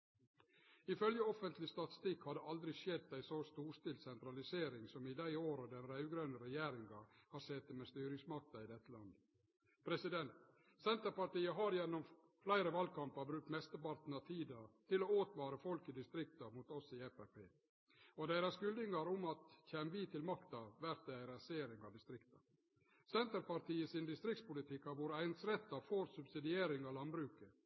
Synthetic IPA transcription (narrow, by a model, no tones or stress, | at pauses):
ɪfœljəɔfənt̪lɪst̪ɑt̪ɪ̥st̪ɪkhɑd̪ɛʔɑld̪ɾɪʃɛd̪̚d̪æɪsost̪uːɾst̪ɪːlsɛnt̪ɾɑlɪseːɾɪŋsɔmɪd̪æɪoːɾəd̪ɛnɾɑʉɡɾœnəɾɛjæːɾɪŋɑhɑɾsɛt̪ːəmeːst̪yːɾɪŋsmɑk̚t̪ɑɪd̪ɛt̪ːəlɑnd̪ə | pʰɾɛsɪd̪ɛnt̪ | sɛnt̪əɾpɑʈiːəɦɑɾjɛnːɔm | flæɪɾəʋɑlkɑmpəɾbɾʉːk̚t̪mɛst̪əpɑɾt̪n̩ɑt̪ʰiːd̪ət̪ʰɪloːoːt̪ʋɑːɾəfɔlkɪd̪ɪst̪ɾɪk̚t̪ɑmut̪ɔsɪɛpæpʰeː | ɔd̪æɪɾɑsɡʉld̪ɪŋɑɾʊmɑt̪çɛːmʋit̪ʰɪlmɑkt̪ɑʋæɾt̪̚d̪æɪɾɑseːɾɪŋɑʋd̪ɪst̪ɾɪkt̪ɑ | sɛnt̪əɾpɑɾʈ̪ʰiːəsɪnd̪ɪst̪ɾɪk̚t̪spʊlɪt̪ʰɪkhɑɾʋuːɾæɪnsɾɛt̪ːɑfoːɾsʉbsɪd̪ɪeːɾɪŋɑːʋlɑnbɾʉːkə